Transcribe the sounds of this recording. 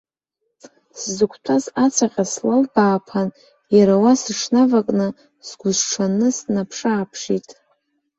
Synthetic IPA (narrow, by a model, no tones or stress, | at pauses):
szɨkʷʰtʷʰazat͡sʷʰaqʲʼaslalbaːpʰan | jaɾawasɨʂnavakʼnɨ | sɡʷʊzʈ͡ʂʰanɨsnapʰʂaːpʰʂitʼ